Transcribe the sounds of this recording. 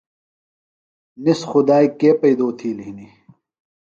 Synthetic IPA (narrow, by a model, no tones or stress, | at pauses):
nisxʊd̪aːikeːpɐid̪oːt̪ʰiːliɦni